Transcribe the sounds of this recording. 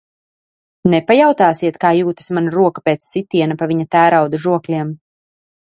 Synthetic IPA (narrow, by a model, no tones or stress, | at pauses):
nɛpajawt̪aːsiɛt̪kaːjuːt̪ḁsmanaɾuɔkapeːt̪sːit̪ʲiɛnapavʲiɲat̪æːɾawd̪uʒuɔklʲiɛm